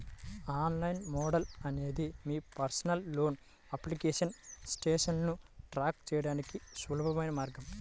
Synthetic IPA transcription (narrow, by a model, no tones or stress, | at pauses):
aːnlɐjnmɔːɽɐlɐne̞ːd̪imiːpɐɾsɐnɐlːoːn | ɐplikeːʂɐnsʈeːʂɐnɐnuʈɾaːkt͡ʃɛːjɐɽaːnikisʋɐlubʱɐmɐjnɐmaːɾɡɐm